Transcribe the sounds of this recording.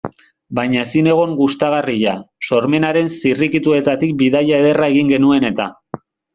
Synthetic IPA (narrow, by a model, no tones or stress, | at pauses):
bajɲaesine̞ɣ̞o̞ŋɡust̪aɣ̞ariʎaso̞ɾme̞naɾe̞nsirikit̪ue̞t̪at̪ik̚biðajaeðe̞rae̞ɣiŋɡe̞nue̞ne̞t̪a